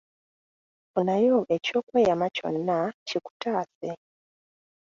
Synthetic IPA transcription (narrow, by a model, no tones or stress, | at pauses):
onajoʔe̞co̞ːkwe̞ːjamaco̞̰nːaciku̥taːse